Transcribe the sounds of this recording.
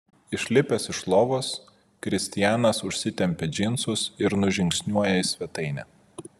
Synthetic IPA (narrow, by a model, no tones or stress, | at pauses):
ɪʃʲlʲɪpʲɛsɪʃlˠoːʋoːs | kɾʲɪsʲt̪ʲɪjæːnɐsʊʃʲsʲɪt̪ʲɛmʲpʲɛd͡ʒʲɪnt̪sʊsɪɾnʊʒʲɪŋʲksʲnʲuɔjɛɪsʲʋʲɛt̪ɐɪnʲɛ̰ː